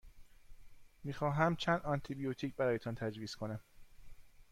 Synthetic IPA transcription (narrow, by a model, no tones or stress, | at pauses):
miːxɒːɦæmt͡ʃʰæːnd̪ɒnt̪ʰibijot̪ʰiːcʰbæɾɒːjet̪ʰɒnt̪ʰæd͡ʒviːskʰo̞næm